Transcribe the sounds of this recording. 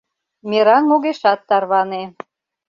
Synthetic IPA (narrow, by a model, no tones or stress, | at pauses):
mʲeɾɑnmoɣeʃɑt̪ːɑrβɑne